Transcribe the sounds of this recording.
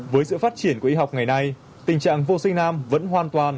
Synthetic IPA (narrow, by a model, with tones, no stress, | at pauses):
vəː˨˦jsɨ̰˧˨faː˦˥t̚t͡ɕi˧˩ənku˧˩əʔi˧ɦa˨˩wk͡p̚ŋa˨˩jna˧j | t̪ï˨˩ŋ̟t͡ɕa̰ː˧˨ŋvo˧sï˧ŋ̟naː˧mvə̰˧˥nɦwaː˨˧nt̪waː˨˩n